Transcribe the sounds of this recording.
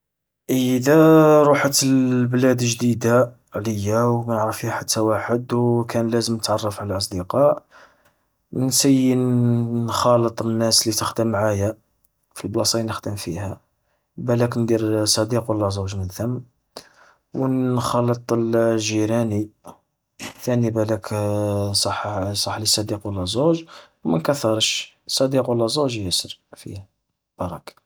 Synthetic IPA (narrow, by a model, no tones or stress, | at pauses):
ʔəd̪æɾˤuħət̪əlblæd̪əʒd̪id̪a | ʕləjːawmænʕɾəfihħat̪ʰːæwaħəd̪wkʰænlæzəmnət̪ʕɑrˤːɑfʕalælʔɑs̬ˤd̪iqɑʔ | nsəjːənnxɑlət̪ˤənːæslit̪əxd̪əmːʕajæ | filblɑsˤɑjnəxd̪əmfihæ | bælæknd̪iɾsˤɑd̪iqwəlːæzuʒmənθəmː | wənxɑlːət̪ˤəlʒiɾæni | θænibælæk | sˤɑħsˤɑħːlisˤɑd̪iqwəlːæzuʒwmænkæθɑɾˤʃ | sˤːɑd̪iqwəlːæzuʒjæsəɾfḭhæ | b̥ɑɾˤɑk